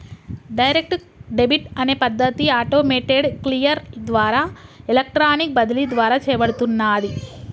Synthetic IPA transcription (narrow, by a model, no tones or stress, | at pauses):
ɖɐjɾek̚ʈ | ɖebʱiʈɐne̞ːpɐd̪ːɐt̪iaːʈoːmeːʈeɖklijɐɾd̪ʋaːɾaːelɐk̚ʈɾaːnik̚bɐd̪ilid̪ʋaːɾaːt͡ʃɛːɐbɐɽut̪unːaːd̪i